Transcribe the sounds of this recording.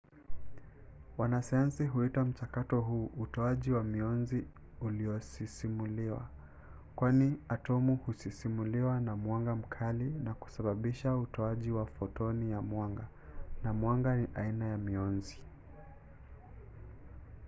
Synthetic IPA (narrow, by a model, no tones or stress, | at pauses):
wanasajansiɦuitam̩t͡ʃakatɔɦuːʔutɔaʄiwamiɔnzi | uliɔsisimuliwa̰ | kwaniatɔmuhusisimuliwanamwaŋɡam̩kʰalinaku̥saɓaɓiʃautɔaʄiwafɔtɔnijamwaŋɡa | namwaŋɡaniʔainajamiɔnzi